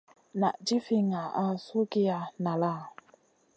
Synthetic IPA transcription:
na̰˨d͡ʒi˦fi˦ŋa˨a˦˨˦su˦ɡi˦a˧na˨la˦˨

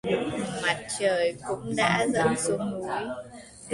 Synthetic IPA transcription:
ma˨˩t̚t͡ɕəː˨˩jkʊ̰˧˥ŋ͡mɗa̰ː˧˥zə˨˩nsu˨˧˦ŋ͡mnu˨˦j

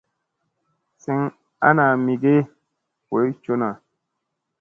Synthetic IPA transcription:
si˨˦ŋ | a̰˦na˨mi˨ɡe˦ | we˨˦t͡ʃo˦na˨

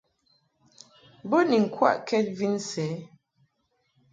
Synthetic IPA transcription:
bo˦ni˨ŋ̩˨kʰwa̰˦˨ʔkɛ˦t̚vi˦n˦sɛ˨˦

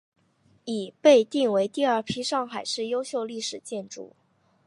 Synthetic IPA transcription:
i˨˩pe˥˧ɪt̪i˥˩ŋwe˧˥ɪt̪i˥˧ɐ˞˥˩pʰi˥ʂɑ˥˩ŋxa˨˩ɪʂɻ̩˥˩jo˥ʊɕjo˥˧ʊli˥˩ʂɻ̩˨˩t͡ɕjɛ˥˧nʈ͡ʂṵ˥˩

